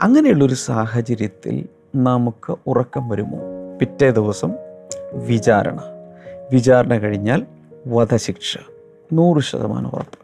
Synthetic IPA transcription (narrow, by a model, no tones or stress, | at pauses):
ɐŋːɐnejuɭːo̞ɾusaːɦɐt͡ɕɐɾjɐt̪ːḭl | nɐmukːɨurɐkːɐmʋɐɾumːo̰ːpitːeːd̪iʋɐsɐmʋit͡ɕaːɾɐ̰ɳɐʋit͡ɕaːɾɐɳɐkɐɻiɲːaːl | ʋɐd̪ʱɐɕikʂɐ̥ | nuːrɨʂɐ̰ðɐ̰ma̰ːnɨṵrɐ̰pːɨ̥